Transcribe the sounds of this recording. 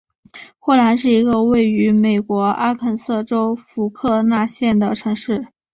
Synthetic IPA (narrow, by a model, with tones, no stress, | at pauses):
xwo˥˩la˧˥nʂ̬ɻ̩˥˩i˧˥ɡə˧we˥˩ɪy˧˥me˨˩ɪkwɔ˧˥a˥kʰə˥˩nsɤ˥˩ʈ͡ʂo˥ʊfu˧˥kʰɤ˥˧na˥˧ɕjɛ˥˩nd̪ə˩ʈ͡ʂʰɤ˧˥ŋʂɻ̩˥˩